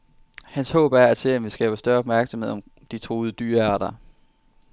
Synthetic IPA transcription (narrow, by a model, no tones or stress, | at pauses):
hænshɔ̰̽ːb̥æɐæt͡sʰe̝lænʋisɡ̥ɛ̰ːb̥ɐsd̥ɶɐɒb̥̚mæɐɡ̥sɒmhe̝ð̞̰ˠɒ̽m | d̥it͡sʰʁo̝ːð̩ˠəd̥yːɐɑɾ̥ɐ